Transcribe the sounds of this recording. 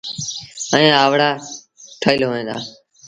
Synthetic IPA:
əẽːaːʋɽaː | ʈʰəːlɦoːẽːd̪a̰ː

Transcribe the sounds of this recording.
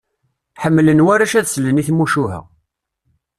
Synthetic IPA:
ħəmːlənwæɾæʃæðsləniθmuʃuɦæ̰

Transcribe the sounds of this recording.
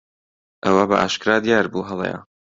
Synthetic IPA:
ʔɐwɐbɐʔa̰ːʃkɨɾaːd̪jaːɾbuɦɐlˠḛjɐ̰

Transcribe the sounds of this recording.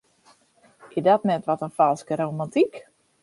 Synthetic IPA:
ɪdɔtnɛtʋɔtənfɔlˠskəɾowmantik

